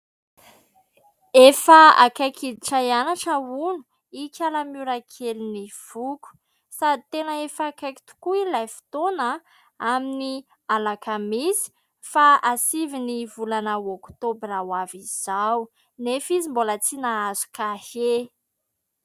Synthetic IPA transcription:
efaa̰kakʰid̪iʈ͡ʂajanaʈ͡ʂaunu̥ | ikʲʰalamuɾakʰeliniv̥uku̥ | sad̪ʱit̪enəefakaki̥t̪u̥kuilajfi̥t̪ona | amini | alakʰamizi̥ | faasivinivulanəokt̪obirawaviz̥aw | nefizimbolət͡sinaazu̥kahe

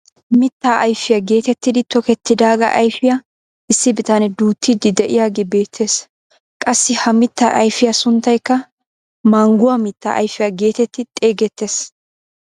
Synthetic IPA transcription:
mɪt̪ːaːʔɐjfɪjaɡe̞ːt̪ɛt̪ːɪd̪ɪt̪ɔkɛt̪ːɪd̪aːɡɐ̰ʔɐjfɪja | ɪsːɪbɪt̪ɐnɛd̪uːt̪ʰːid̪ɪd̪ɛʔɪjaːɡeːbe̞ːt̪ʰːe̞ːs | kʼɐsːɪhɐmɪt̪ːa̰ːʔɐjfɪjɐsʊnt̪ːɐjkːɐ | maːŋɡʊwamɪt̪ːa̰ːʔɐjfɪjaɡe̞ːt̪ɛt̪ːɪt̪ʼe̞ːɡɛt̪ːe̞ːs

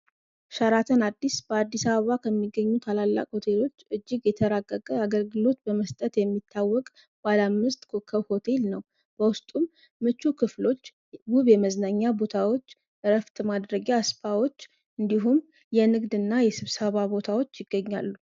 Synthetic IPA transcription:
ʃaɾat̪ʰənad̪ːisb̥əad̪ːisaβəβakʰəmːiɡːəɲːut̪ʰalalːa̰kʼho̞t̪ʰe̞lo̞t͡ʃːɨd͡ʒːɪɡjɛt̪ʰəɾaɡəkʼəaɡəlɡɨlo̞t̪bəməst̪ʼət̪jɛmːit̪ʰːawːɔkʼ | b̥alamːɨst̪ʼkʰokʰːəwho̞t̪ʰe̞lnəw | b̥əwʊst̪ʼumː | ɨt͡ʃːukʰɨflo̞t͡ʃː | wuβjɛməznaɲːabo̞t̪ʰawo̞t͡ʃː | ɾəft̪ʰmad̪ɾəɡjaspawo̞t͡ʃː | ʔɨnd̪iɦum | jɛnɨɡd̪ɨnːajɛsɨβsəβabo̞t̪ʰawo̞t͡ʃːjɪɡːəɲːa̰lːu

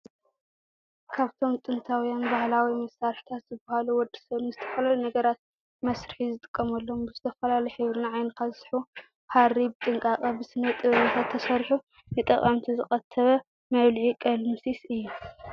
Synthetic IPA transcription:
kʰaβt̪ʰo̞mt̪ʼɨnt̪ʰawijanbahlawimɐsːaɾħi̥t̪ʰat̪zɨbɐhaluwɔd̪i̥sɐβnɨzɨt̪ʰɐ̥fɐlalunɐɡɐɾat̪̚ | mɐsɾɨħizɨt̪ʼɨ̥kʼːɐmɐlːombɨzɨt̪ʰɐfɐlalɐjħɨβɾɨnaʕajnɐkʰazsħu | haɾibɨt̪ʼɨŋkʼakʼɐbɨsɨnːɐt̪ʼɨβɨnat̪ʰat̪ʰːɐsɐɾħu | nɨt̪ʼɐkʼɐmt̪ʰizɨχʼɐt̪ʰːɐβɐ | mɐβlʕikʼɐlmɨsisɨjːu

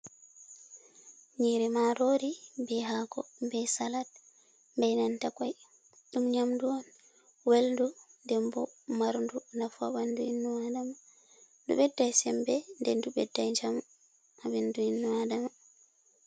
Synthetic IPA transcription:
ɲiːɾɛmaɾoːɾibɛɦaɡɔ̰mbɛjsalat̚ | mbɛjnantakaj | ɗumɲamduɔn | welndundɛmbɔmaɾndunafa̰ɓanduinːuwadama | dṵɓɛdːajsɛmbɛndɛnduɓɛdːajd͡ʒam | abinduinːuadama

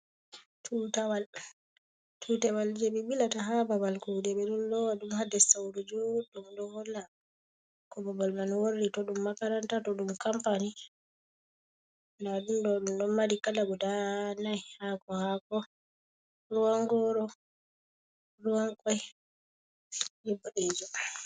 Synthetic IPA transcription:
tʰutawal | tʰutawald͡ʒɛbiɓilataɦababalkudɛɓɛɗunlɔwaɗumhadɛsawdɔd͡ʒɔɗdumdɔhɔla | kɔbabalmanworːitɔɗumːakaɾantatɔɗumkampani | naɗumdɔɗumɗɔnmːadikalaɡɔdanajhakɔhakɔ | ɾuwaŋɡɔɾɔ | ɾuwaŋkaj | dɛbɔɗed͡ʒɔ

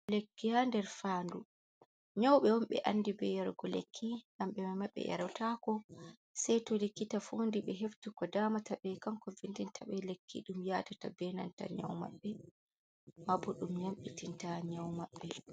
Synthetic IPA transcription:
lekːihandɛɾfaːndu | ɲawɓɛwɔmɓɛ̰ʔanːdibɛjaɾɡɔlekʰːiŋamɓɛmamaɓːɛ̰ja̰ɾawtakɔ | sɛjtɔlikːitafundiɓɛɦeftukɔdaːmataɓɛkaŋkɔvindintʰaɓɛlekːiɗumjatatabɛna̰nta̰ɲa̰wma̰ɓːɛ | mabɔɗumjamɓitintaɲawmaɓːɛ

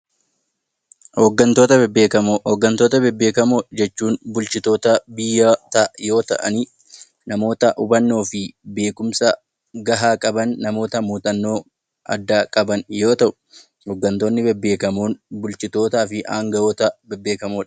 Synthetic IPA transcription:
hoɡːɐnt̪o̞ːt̪ɐbɛbːeːkɐmohɔɡːɐnt̪oːt̪ɐbɛbːeːkɐmoːᶑd͡ʒɛt͡ʃːuːnbʊlt͡ʃɪt̪o̞ːt̪ɐbɪjːɐt̪ɐjo̞ːt̪ɐ̰ʔɐ̰niː | nɐmo̞ːt̪ɐʔʊbɐnːo̞ːfɪbe̞ːkʊmsɐ | ɡɐɦaːkʼɐbɐnːɐmo̞ːt̪ɐmuːt̪ʼɐnːo̞ː | ɐ̰d̪ːaːkʼɐbɐnjo̞ːt̪ɐʔʊ̥ | hoɡːɐnt̪o̞ːnːɪbɛbːe̞ːkɐmoːnbʊlt͡ʃɪt̪o̞ːt̪aːfɪʔaːŋɡɐjoːt̪ɐbɛbːe̞ːkɐmoːᶑɐ̥

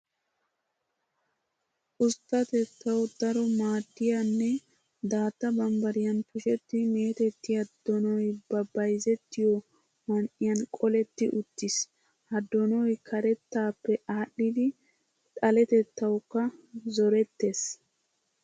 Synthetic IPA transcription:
ʔʊst̪ːɐt̪ɛt̪ʰːɐwd̪ɐɾɔmaːd̪ːɪjɐnːɛ | d̪aːt̪ːɐbɐmbɐɾɪjɐnpʊʃɛt̪ːɪmeːt̪ɛt̪ːɪjɐd̪̥ːɔnɔjbɐbɐjzɛt̪ːɪjɔ | mɐnʔɪjɐnkʼɔlɛt̪ːɪʔʊt̪ːɪs | ɐd̪ːɔnɔjkʰɐɾɛt̪ːaːpːɛaːɗːɪd̪ɪ | t̪ʼɐlɛt̪ɛt̪ːɐwkːɐzɔɾɛt̪ːeːs

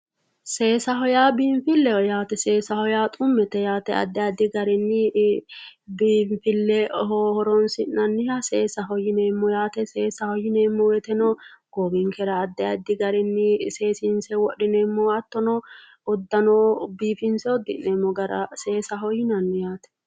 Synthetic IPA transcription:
se̞ːsɐɦɔjaːbiːmfɪlːɛɔjaːt̪ɛseːsɐhɔjaːt̪ʼʊmːɛt̪ɛjaːt̪ɛɐ̰d̪ːɛjad̪ɪɡɐɾɛnːɪ | biːmfɪlːɛɦɔhɔɾɔnsɪnɐnːɪjaseːsɐɦɔjɪneːmːɔjaːt̪ɛseːsɐhɔjɪneːmːɔwɛt̪ɛnɔɡ̥ɔbɪŋkɛɾɐːd̪ːɛjɐd̪ːɪɡɐɾɪnːɪse̞ːsɪnsɛwɔɗɪneːmːɔɐt̪ːɔnɔ | ɔd̪ːɐnɔbiːfɪnsɛɔd̪ːɪnemːɔɡɐɾɐ̰se̞ːsɐɦɔjɪnɐnːɪjaːt̪ɛ̥

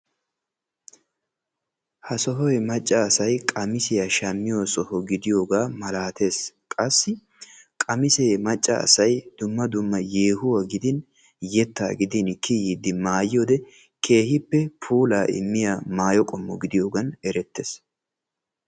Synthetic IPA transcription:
hɐsɔɦɔjɛmɐt͡ʃʼːɐːsɐjkʼɐmɪsɪjɐʃɐmːɪjosɔhɔɡɪd̪ɪjoːɡaːmɐlaːt̪e̞ːskʼɐsːɪ | kʼɐmɪseːmɐt͡ʃʼːɐ̰ːsɐjd̪̥ʊmːɐd̪ʊmːɐjeːhʊwɐɡɪd̪ɪn | jɛt̪ːa̰ːɡɪd̪ɪnkʰɪjɪd̪ɪmaːjoːd̪ɛ | kʰe̞ːhɪpːɛpʰuːlaːʔɪ̰mːɪjamaːjɔkʼɔmːɔɡɪd̪ɪjoːɡɐnɛɾɛt̪ːeːs

